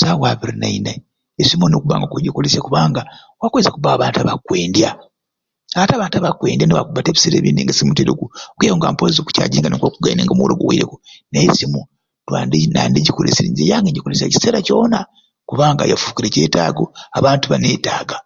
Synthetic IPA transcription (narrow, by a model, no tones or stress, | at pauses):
sawaβiɾinaina | esimunokuβa̰ːŋɡakuɟikolesjakuβaːŋɡa | wakwezakuβaβaːntaβakwe̞ːndja | aβataβaːntaβakweːndjaneβa̰kuβateːβi̥seɾeːβiːndiŋɡasimuteɾukukwejoŋɡa̰ːmpozoku̥ca̰ːɟiːŋɡanikwokuɡajineːŋɡamuwoloɡowiiɾekonesimu | twandnaːndeɟikoleseɾiɲzejaːŋɡeɟikolesja̰ci̥seɾaco̞ːna | kuβaːŋɡa̰jafu̥ːkiɾeceːtaːɡoaβaːntuβaneːtaːɡa